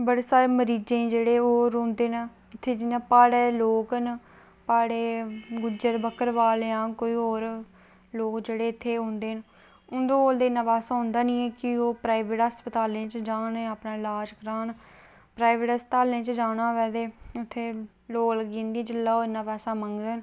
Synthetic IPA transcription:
bəɽeːsaːɾeːməɾiːd͡ʒẽːd͡ʒeːɽeːoːɾõːnd̪eːn | ɪt̪ʰːeːd͡ʒɪnãːpaːɽeːloːkn | paːɽeːɡʊd͡ʒəɾbəkəɾʋaːleːãːkoːiːoːɾ | loːkd͡ʒeːɽeːɪt̪ʰːeːɦõːnd̪eːn | ʊnd̪õːoːld̪eːɪnːãːpɛːsãːɦʊ̃ːnd̪aːnĩːɛːkɪoːpɾaːiʋeːʈəspət̪aːlẽːt͡ʃd͡ʒaːneaːpnãːɪlaːd͡ʒkəɾaːn | pɾaːiʋeːʈɦəspət̪aːlẽːt͡ʃd͡ʒaːnaːʋɛːd̪eːʊt̪ʰːeː | loːləɡĩːnd̪iẽːd͡ʒɪlːaːoːɪnːãːpɛːsãːməŋɡd̪eːn

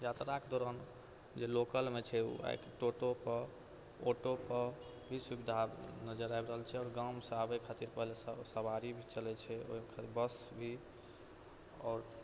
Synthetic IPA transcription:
jat̪ɾaked̪oɾən | d͡ʒelokəlmet͡ʃʰɛṵa̰jkʈoʈopə | oʈopə | bʱisubid̪ʱanəd͡ʒəɾajbɾəɦəlt͡ʃʰɛɔːɾɡamsəabəkʰat̪iɾpəɦlessəbaɾibʱit͡ʃəlɛt͡ʃʰɛo̰ikʰat̪bəsbʱi | ɔːɾ

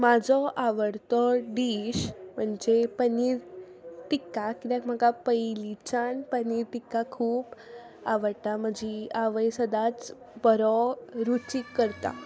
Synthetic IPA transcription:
mad͡zʱɔʔaʋəɽt̪ɔɖiːɕm̤əɳd͡zepəniːɾ | t̪ikːakit̪akm̤akapəjlit͡ɕanpəniːɾt̪ikːakʰuːp | aʋəɽt̪am̤əd͡ʑʱiaʋəjsəd̪ʱat͡s | bəɾɔɾut͡ɕikːəɾt̪a̰

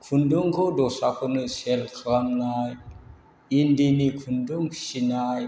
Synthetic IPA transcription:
kʰunduŋkodosakunəselkʰəɾamnaj | indinikʰunduŋʃinaj

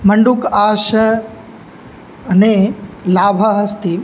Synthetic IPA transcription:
mɐ̃ɳɖukaːʃɐ | nelaːbʱɐɦɐst̪i

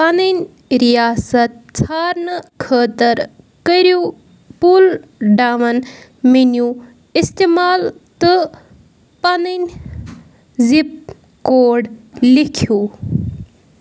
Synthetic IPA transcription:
pɐninʲ | ɾijaːsɐt̪̚t͡sʰaːɾnəkʰəːt̪ɐɾ | kəɾju | pulɖamɐnminju | ist̪emaːlt̪ɨ | pɐnin | zip̚ | koːɖlikʰju

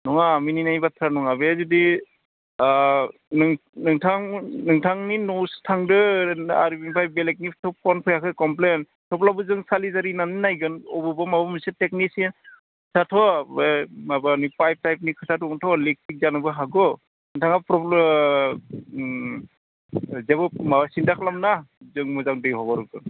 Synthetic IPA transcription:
nɔŋamininajbatʰɾanɔŋabezudi | nŋnɯŋtʰaŋnɯŋtʰaŋninɔwstʰaŋdɯaɾibiŋpʰajbelek̚nipʰtʰɔpʰɔnpʰɯjakʰɯkɔmplen | tʰɔplabɯzɯŋsalizaɾinanɯnajɡɯnɔbɯbɔmabɔmisetek̚nisin | kʰɯ̥tʰatʰɔ | abanipajp̚tajp̚nikʰɯtʰatɔntʰɔlik̚tik̚zanɯbɯɦaɡɔ | nɯŋtʰaŋapɾɔbl | zɛbɯmaasindakʰlamnazɯŋmɯzaŋdɯjɦɔbaɾuɡɯn

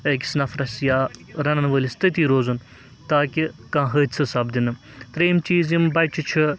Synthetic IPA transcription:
əːki̥snɐfɾɐsjaːɾɐnɐnʋəːlʲist̪ɨt̪iːɾoːzun | t̪aːkʲikãːɦəːt͡sʰɨsɐbd̪inɨm | t̪ɾeːmt͡ʃiːzimbɐjt͡ʃʰit͡ʃʰi

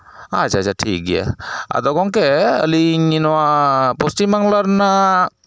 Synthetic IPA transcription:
at͡ʃat͡ʃaʈʰik̚ɡija̰a̰d̪ɔɡɔŋkɛə̰lininɔwapɔsʈimaŋlaɾna

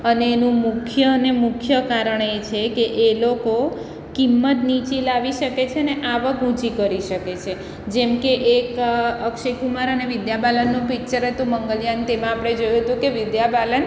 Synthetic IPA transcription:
əneːnũmʊkʰjənemʊkʰjəkaɾəɳet͡ʃʰekeʔeloko | kimːət̪nit͡ʃilaʋiʃəket͡ʃʰeəneʔaʋəkũt͡ʃikəɾiʃəket͡ʃʰe | d͡ʒemkeʔekəkʃikumaɾəneʋɪd̪jabalənːũpik̚t͡ʃəɾət̪ũməŋɡəljant̪emãapɽ̃ed͡ʒojũɦət̪ũkeʋɪd̪jabalən

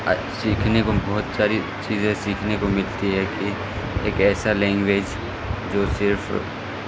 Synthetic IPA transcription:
siːkʰnekobɔɦʊt̪saːɾi | t͡ʃiːzẽsiːkʰnekomɪlt̪iɦɛki | eːkɛːsalɛ̃ːŋɡʋeːd͡ʒ | d͡ʒoːsɪɾf

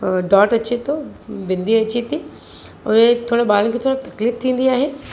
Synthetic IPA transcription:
ɖɔːʈɐt͡ɕet̪obɪ̃nd̪iɐt͡ɕit̪i | ɔ̰ːɾet̪ʰoːɽebaːɾənkʰet̪ʰoːɽat̪ɐkliːft̪ʰĩːnd̪iaːɦeː

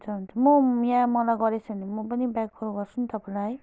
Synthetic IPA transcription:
t͡sʰʌɦunt͡sʰʌmʌjãmʌlajɡʌɾet͡sʰʌnemʌpʌnibakɡʌɾuɡʌrt͡sʰunt̪ʌpãlaɦʌj

